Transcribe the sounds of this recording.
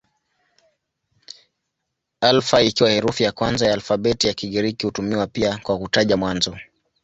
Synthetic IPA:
alfaikiwahɛɾufijakwanzajaːlfaɓɛtijakiɠiɾikihutumiwapiakwakutaʄamwanzɔ

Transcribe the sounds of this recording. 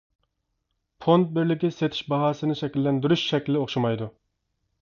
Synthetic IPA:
pʰont̪̚bɪɾlɪkʲɪset̪ʰɪ̥ʃbɑɦɑːsɨnɨʃɛkʲilːɛnd̪yɾyʃʃɛkʲlɪoχʃɑmɑjd̪u

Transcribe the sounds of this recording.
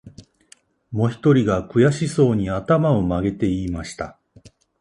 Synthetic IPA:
mo̞çi̥t̪o̞ɾʲiɡakɯ̟jaɕiso̞ːɲ̟iat̪amao̞maɡe̞t̪e̞imaɕi̥t̪a̰

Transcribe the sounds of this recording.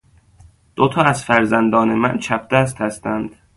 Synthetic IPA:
d̪̥ot̪ʰɒːæzfæɾzænd̪ɒːnemæ̰nt͡ʃʰæp̚ʰd̪̥æst̪hæst̪ænd̪̥

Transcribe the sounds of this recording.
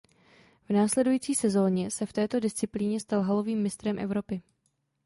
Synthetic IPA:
vnaːslɛdujiːt͡siːsɛzo̞ːɲɛsɛft̪ɛːt̪o̞dɪst͡sɪpliːɲɛst̪alɦalo̞viːmːɪst̪ɾɛmʔɛ̰vɾo̞pɪ

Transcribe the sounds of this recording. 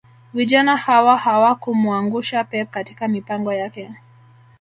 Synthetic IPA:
viʄanahawahawakumuaŋɡuʃapɛp̚kati̥kamipaŋɡɔjakɛ

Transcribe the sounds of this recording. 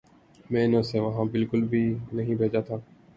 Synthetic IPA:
mẽːɪnõːseːʋəɦãːbɪlkʊlbʱiːnəɦĩːbʱeːd͡ʒaːt̪ʰaː

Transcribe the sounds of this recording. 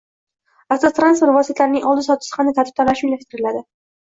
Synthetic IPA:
at̪ːɒt̪ɾansfeɾvɒsɪt̪ʰlaɾɪnɪŋʔɒlˠd̪ɪsɒt̪ʰɪ̥sɪ̥χamnɪt̪ʰaɾt̪ʰɪ̥p̪̚anlaʃlaʃt̪ɪɾɪlad̪ɪ

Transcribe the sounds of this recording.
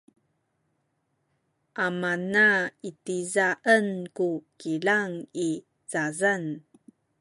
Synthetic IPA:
ʔamanaitizaʔənkukilaŋi | t͡sazan

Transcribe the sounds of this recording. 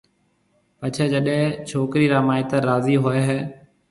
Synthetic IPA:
pət͡ʃʰeːd͡ʒəɗɦẽːt͡ʃʰoːkɾiːɾaːmaːɪt̪əɾaːziːɦoːeːɦɛː

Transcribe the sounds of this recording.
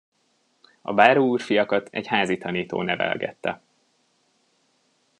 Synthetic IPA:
ɒ̰baːɾoːuːrfijɒkɒt̪ɛ̰chaːzit̪ɒniːt̪o̰ːnɛvɛ̰lɡɛ̰t̪ːɛ

